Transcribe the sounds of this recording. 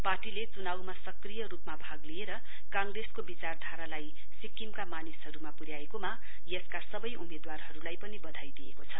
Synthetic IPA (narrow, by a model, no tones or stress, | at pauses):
parʈilet͡sunawmasʌkrijʌrupmabʱaɡlieɾʌ | kãŋɡreskobit͡sard̪ʱaɾalaj | sikimkamanisɦʌɾumapuɾjaekoma | jʌskasʌbʌjʔṵmed̪warɦʌɾulajpʌnibʌd̪ʱajd̪ijḛkot͡sʰʌ